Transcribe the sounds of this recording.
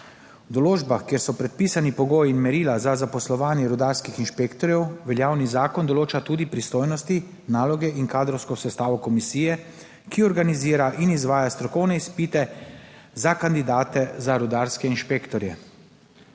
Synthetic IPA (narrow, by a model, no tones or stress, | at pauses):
wd̪ɔloːd͡ʒbaxkjeːɾsɔpɾɛt̪̚piːsanipɔɡoːjinmɛɾiːlazazapɔslɔʋaːnjɛɾud̪aːɾskixinʃpekt̪ɔɾjɛwʋɛljaːwnizaːkɔnd̪ɔloːt͡ʃat̪uːd̪ipɾist̪oːjnɔst̪i | naːlɔɡɛinkaːd̪ɾɔwskɔsɛst̪aːʋɔkɔmisiːjɛ | kiɔɾɡaniziːɾaʔinizʋaːjast̪ɾɔkɔwnɛispiːt̪ɛ | zakand̪id̪aːt̪ɛzaɾud̪aɾskɛinʃpekt̪ɔɾjɛ